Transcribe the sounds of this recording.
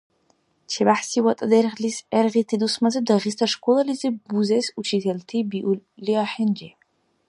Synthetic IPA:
t͡ʃʰɛbaħsiwɐt̪ʼɐd̪ɛɾʁlisɛɾʁit̪ʰid̪usmɐzɛb̚d̪ɐʁist̪ʰɐʂkʷʼɔlˠɐlizɨbuzɛsut͡ʃʰit̪ʰɛlt̪ʰibiʔuliaħɛnd͡ʒɛ

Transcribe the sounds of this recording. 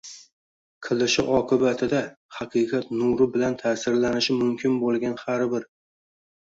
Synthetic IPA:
qʰɨlˠɪʃɪʔɒqʰɨbat̪ʰɪd̪a | hɑqʰɨqʰɑt̪nʊɾɪbɪlant̪ʰaːsɪɾlanɪʃɪmʊmkʲʰɪnbolˠɡʲanhaɾbɪɾ

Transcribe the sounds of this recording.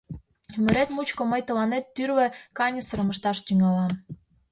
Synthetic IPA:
ymə̆ɾet̪mut͡ɕkoməjt̪əlɑnet̪ːyrβĕkɑnʲəsəɾəməʃt̪ɑʃt̪yŋɑlɑ

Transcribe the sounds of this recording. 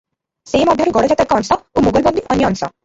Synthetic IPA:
semɔd̪ʱakeɡɔɽod͡ʑat̪ɾakːɔnsɔomuɡolbond̪iʔɔnijɔnsɔ̰

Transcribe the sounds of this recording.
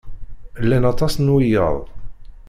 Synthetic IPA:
lːænɑt̪ˤɑsnwijə̰ðˤ

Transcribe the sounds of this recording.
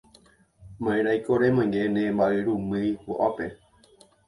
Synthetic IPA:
mãẽɾajkoɾemãj̃ɡenẽmbaʔeɾũmɨjbo̰ʔape

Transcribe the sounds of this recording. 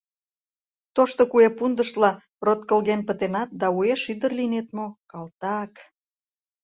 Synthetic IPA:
t̪oʃt̪okuepund̪əʃt̪lɑ | rot̪̚kə̆lɣenpə̆t̪enɑt̪̚d̪ɑueʃyd̪ərlinet̪mokɑlt̪ɑk

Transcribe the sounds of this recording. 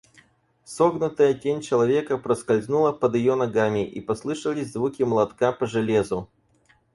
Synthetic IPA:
soɡnət̪əjətʲenʲt͡ɕɪlˠɐvʲe̞kəpɾəskɐlʲznulˠəpəd̪jɪjonɐɡamʲɪʔḭpɐslˠɨʂəlʲɪsʲzvukʲɪmlˠɐt̪kapəʐɨlʲezʊ

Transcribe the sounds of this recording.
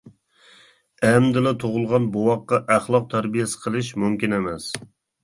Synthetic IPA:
ɛmd̪ɪlɪt̪ʰoʁʊlˠʁɑnbowɑqːɑʔæχlˠɑq̚t̪ʰæɾbijɛsɪ̥qʰəlˠɨʃmumkʲinemɛs

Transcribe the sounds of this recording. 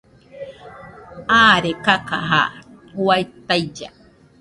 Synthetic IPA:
aːɾekakaɦa̰ | wajt̪ajd͡ʒa̰

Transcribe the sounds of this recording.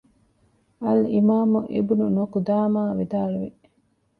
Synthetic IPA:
ɐlimaːmuʔḭbununokud̪aːmaːʋid̪aːluʋi

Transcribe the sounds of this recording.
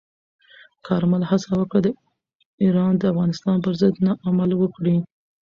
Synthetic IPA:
kʰɑɾmalhasawəkɽad̪ə | iɾɑnd̪əafɣɑnɪst̪ɑnpəɾzɪd̪nɑʔamalwəkɽi

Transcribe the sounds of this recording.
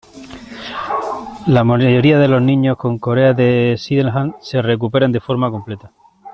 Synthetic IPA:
lamaʝo̞ɾiaðe̞lo̞znĩɲo̞hko̞ŋko̞ɾe̞aðe̞siðeŋɦanse̞re̞k̬upe̞ɾand̪efo̞ɾmako̞mple̞t̪a

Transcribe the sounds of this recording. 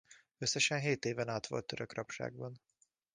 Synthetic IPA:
ø̞sːɛʃɛnɦeːt̪eːvɛnaːt̪ʋo̞̰lt̪ːøɾøkrɒpʃa̰ːɡ̚bɒn

